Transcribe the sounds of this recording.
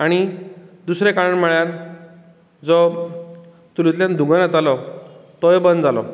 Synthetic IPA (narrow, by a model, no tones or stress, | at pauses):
aɽ̃id̪usɾekaɾəɳmɛɭjaɾ | d͡zɔ | t̪ulit̪ljãnd̪ʱũŋɡanjat̪alɔt̪ɔebənd̪d͡zalɔ̰